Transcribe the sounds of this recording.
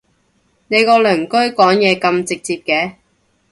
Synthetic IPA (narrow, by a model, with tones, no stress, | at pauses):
ne˨˧jkɔː˧lɵː˨˩ŋkɵ˥ɥkɔː˨˥ŋjɛː˨˧kɐ˧mt͡sɪ˨k̚t͡siː˧p̚kɛː˨˧